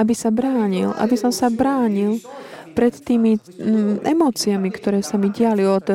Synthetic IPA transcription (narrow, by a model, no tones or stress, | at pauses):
abisabɾaːɲilʔa̰bisɔmsabɾaːɲilpɾɛt̪ːiːmi | ɛ̰mɔːt͡siamikt̪ɔɾɛːsamiɟɪaliɔd̪